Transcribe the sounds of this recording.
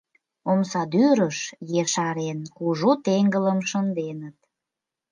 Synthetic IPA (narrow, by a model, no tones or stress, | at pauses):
omsɑd̪yɾəʃjeʃɑɾenkuʒut̪eŋɡələmʃənd̪enət̪̚